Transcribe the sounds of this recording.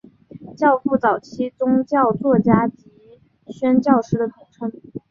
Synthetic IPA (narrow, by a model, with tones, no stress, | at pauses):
t͡ɕjɑ˥˧ʊfu˥˩t͡sɑ˨˩ʊt͡ɕʰi˥t͡sʊ˥ŋt͡ɕjɑ˥˧ʊt͡swɔ˥˩t͡ɕja˥t͡ɕi˧˥ | ɕɥɛ˥nt͡ɕjɑ˥˩ʊʂɻ̩˥d̪ə˨t̪ʰʊ˧˥ŋʈ͡ʂʰɤ˥ŋ